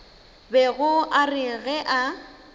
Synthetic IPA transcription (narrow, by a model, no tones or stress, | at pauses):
bɛɣʊʔarɪɣɛʔa